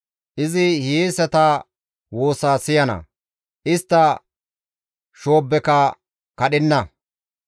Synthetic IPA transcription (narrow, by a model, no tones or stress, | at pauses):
ʔɪzɪhisɛt̪ɐ | wo̞ːsaːsɪjɐnɐ̰ | ʔɪst̪ːɐ | ʃo̞ːbːɛkɐ | kɐɗɪnːɐ